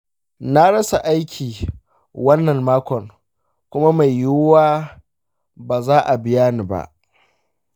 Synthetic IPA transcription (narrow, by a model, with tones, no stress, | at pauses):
na˦ɽɐ˦sa˨ʔa˦jkʲʰiː˨ | wɐ˦nːɐ˨mmaː˦kʷɔ˨ŋ | kʷʊ˦ma˦ma˨jːʊ˦waː˦ | baː˨zaː˦ʔa˨bɪ˦jaː˦niː˨ba̰˦ʔ